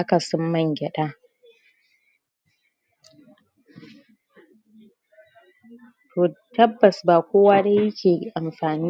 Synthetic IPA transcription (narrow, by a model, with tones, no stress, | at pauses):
ʔa˦kɐ˨sɔ˦mːɐ˦˨ŋɡʲɛ˨ɗaː˦ | tʰoː˨tɐ˦bːɐ˨sbaː˨kʷoː˦waː˦da˦jɪ˦kʲʰeː˨ʔa˨mɸaː˨niː˦